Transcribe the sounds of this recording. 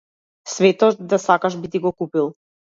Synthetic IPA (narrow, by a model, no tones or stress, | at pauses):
svɛt̪ɔt̪d̪asakaʃbit̪iɡɔkupilˠ